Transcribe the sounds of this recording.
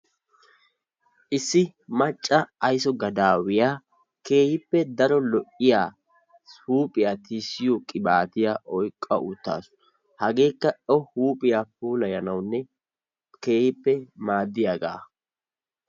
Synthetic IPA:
ʔɪsːɪmɐt͡ʃʼːɐːjsɔɡɐd̪aːwɪjaː | ke̞ːhɪpːɛd̪ɐɾɔlɔʔɪjaː | huːpʼɪjaːt̪isɪjɔkʼɪbaːt̪ɪjaʔɔjkʼːɐ̰ʔṵt̪ːa̰ːsʊ̥ | hɐɡe̞ːkːɐʔɔhuːpʼɪjap̚uːlɐjɐnɐwnːɛ | ke̞ːhɪpːɛmaːd̪ːɪjaːɡa̰ː

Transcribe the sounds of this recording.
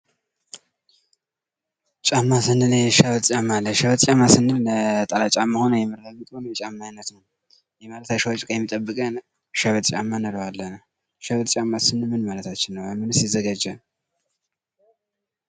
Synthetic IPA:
t͡ʃʼamːasɨnːɨnʃaβət̪ʼt͡ʃʼamːalːəʃaβət̪ʼt͡ʃʼamːasɨnːɨnt̪ʼalat͡ʃʼamːaho̞nəwjɛmɨɾamit̪ʼhonəwjɛt͡ʃʼamːajnət̪nəw | jɛmalət̪ʰaʃəwt͡ʃʼkʼajɛmːit̪ʼəbːɨkʼən | ʃaβət̪ʼt͡ʃʼamːanəɾəwalːənə | ʃaβət̪ʼt͡ʃʼamːasɨnːɨmɨnmalət̪ʰat͡ʃːɪnːəwamɨnɨsizəɡad͡ʒə

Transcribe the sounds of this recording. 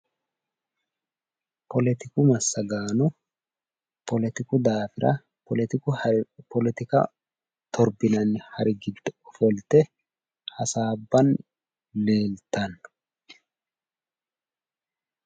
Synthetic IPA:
pɔlɛt̪ɪkʊmɐsːɐɡaːnɔ | pɔlɛt̪ɪkʊd̪aːfɪɾɐ̰ | ɔlɛt̪ɪkʊpɔlɛt̪ɪkɐ̰ | t̪ʰɔɾbɪnɐnːɪhɐɾɪɡɪd̪ːɔɔfɔlt̪ɛ | hɐsaːbːɐn | leːlt̪ɐn

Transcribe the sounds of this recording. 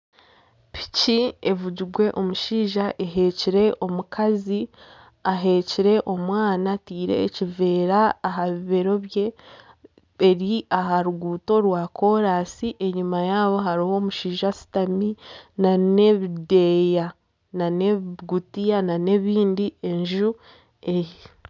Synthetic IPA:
pʰi̥cievuɟiɡwe̞ʔo̞muʃiːʒaʔe̞ɦe̞ciɾe̞ʔo̞mukʰazi | aɦe̞ciɾe̞ʔo̞mwaːnatiːɾe̞̰ːcive̞ːɾaːɦaβiβe̞ɾo̞βje̞ | ɾiaɦaɾuɡuːto̞ɾwaːkʰo̞ɾaːsiʔe̞ɲumajaːβo̞ɦaɾiho̞ːmuʃiːʒasi̥taminane̞βide̞ja | naneɡutijanane̞βiːndie̞ɲʒu | e̞ji

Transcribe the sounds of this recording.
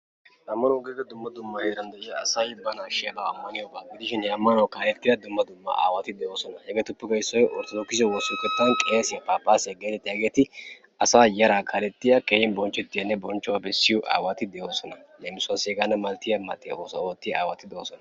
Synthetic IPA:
ɐmːɐnʊɡeːɡɐd̪ʊmːɐd̪ʊmːɐheːɾɐnd̪ɛʔɪjɐːsɐjbɐnaːʃɪjɐb̪aɐmːɐnɪjoːbaːɡɪd̪ɪʃɪnhɛɐmːɐnɐwkaːlɛt̪ːɪjɐd̪ʊmːɐd̪ʊmːɐ̰a̰ːwat̪ɪd̪ɛjo̞ːsɔnɐhɛɡɛt̪ʊpːɪkɐɪsːɔjʔɔɾt̪ɔd̪ɔkːɪsɛwɔsʊkɛt̪ːɐnkʼe̞ːsɪjɐpaːpːaːsɛɡeːt̪ɪt̪ːɪjɐɡeːt̪ɪ | ɐsaːjɐɾaːkʰɐlɛt̪ːɪjɐkeːjɪnbɔnt͡ʃːɛt̪ːɪjɐnːɛbɔnt͡ʃːɔwɐbɛsːɪjɔʔa̰ːwat̪ɪd̪ɛjoːsɔnɐlemɪsʊwɐseːɡɐnːɐmɐlt̪ːɪjɐmɐt̪ːɪjɐ̰oːsoːt̪ːɪjɐa̰ːwɐt̪ɪd̪ɛoːsɔnɐ

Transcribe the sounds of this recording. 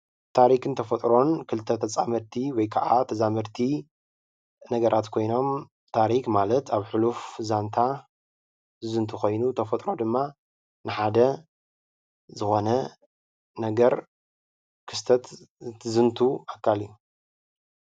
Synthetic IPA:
t̪ʰaɾikɨnt̪ʰɐfɐt̪ʼɾo̞nkʰɨlt̪ʰɐt̪ʰɐt͡sʼamɨɾt̪ʰiwɔjkʰaʔat̪ʰɐzamɨɾt̪ʰi | nɐɡɐɾʔat̪kʰo̞jno̞m | t̪ʰaɾikmalɐt̪aβħɨlufzant̪ʰa | ɨzɨnt̪ʰuxo̞jnut̪ʰɐfɐt̪ʼɾo̞d̪ɨmːa | nɨħad̪ɐ | zɨxo̞nɐ | nɐɡɐɾ | kʰɨst̪ʰɐt̪zɨnt̪ʰuakʰːaliju

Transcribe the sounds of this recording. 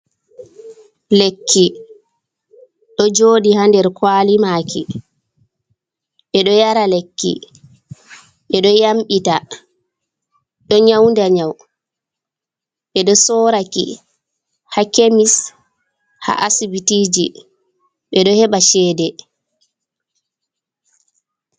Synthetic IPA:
lekʰːi | ɗɔd͡ʒoːdihandɛɾkwaːlimaːkʰi | ɓɛɗɔjaɾalekːḭ | ɓɛɗɔjamɓita | ɗɔɲawndaɲaw | ɓɛɗɔsɔɾakḭ | hakemis | ha̰ʔasibitiːd͡ʒḭ | ɓɛɗɔhɛɓaʃɛːdɛ

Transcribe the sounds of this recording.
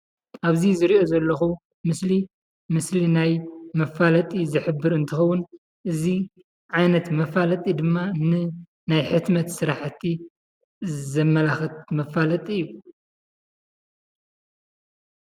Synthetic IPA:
ʔaβzizɨɾio̞zɐlːɐxu | mɨsli | mɨslinajmɐfalɐt̪ʼizɨħɨbːɨɾɨnt̪ʰɨxɐwːʊn | ʔɨzi | ʕajnɐt̪mɐfalɐt̪ʼid̪ɨmːanɨ | najħɨt̪mɐt̪sɨɾaħt̪ʰːi | zɐmːɐlaxɐt̪mɐfalɐt̪ʼiɨjːu

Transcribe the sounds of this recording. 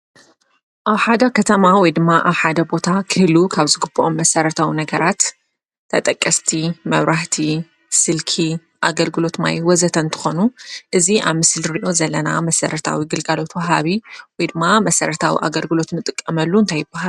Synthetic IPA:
ʔaβħad̪ɐkʰɐt̪ʰɐmawɔjd̪ɨmːaʔaβħad̪ɐbo̞t̪ʰakʰɨhlukʰaβzɨɡɨbːɐʔomːɐsɐɾɐt̪ʰawinɐɡɐɾat̪ʰː | ɐt̪ʼɐkʼːɐst̪ʰimɐβɾaht̪ʰi | sɨlkʰi | ʔa̰ɡɐlɡɨlo̞t̪ma̰jwɔzɐt̪ʰɐnt̪ʰɨ̥xo̞nuʔɨziʔaβmɨslɾiʔo̞zɐlːɐna̰mɐsɐɾɐt̪ʰa̰wiɡɨlɡalo̞t̪wɐɦaβiwɔjd̪ɨmːamɐsɐɾɐt̪ʰawḭʔa̰ɡɐlɡɨlo̞t̪nɨt̪ʼɨkʼːɐmɐlːuɨnt̪ʰajːɪbːaɦal

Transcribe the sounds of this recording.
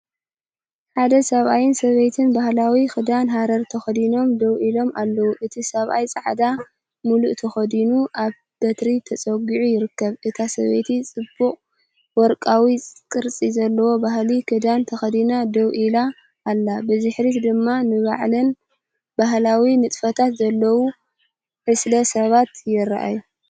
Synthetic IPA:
ħad̪ɐsɐβajɪnsɐβejt̪ʰɨnbahlawixɨd̪anɦaɾɐɾt̪ʰɐxɐd̪ino̞md̪ɐwʔilo̞malːɐwuʔɨt̪ʰisɐβʔa̰jt͡sʼaʕd̪a | muluʔt̪ʰɐxɐd̪inuʔaβ | b̪̥ɐt̪ɾit̪ʰɐt͡sʼɐɡiʕujɪɾɨkːɐβɨt̪ʰasɐ̰βḛt̪ʰit͡sʼɨbːuχʼ | wɔɾkʼawikʼɨɾt͡sʼizɐlːɐwo̞baɦlikʰɨd̪ant̪ʰɐxɐd̪inad̪ɐwʔilaː | lːabɨzɨħɾit̪d̪ɨmːanɨβaʕlɐn | baɦlawimɨt̪ʼfɐt̪ʰat̪zɐlːɐwu | ħɨslɐsɐβat̪jɪɾːa̰ʔa̰ju

